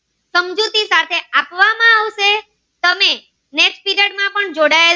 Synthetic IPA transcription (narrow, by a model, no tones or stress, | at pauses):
səmd͡ʒut̪isat̪ʰeapʋamãaʋʃe | t̪əme | neksʈ̚piɾəɽmãpəɳd͡ʒoɽael